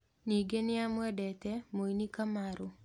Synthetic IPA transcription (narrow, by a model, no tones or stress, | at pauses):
niɡenɪamwadɛt̪ɛmoinikamaɾʊ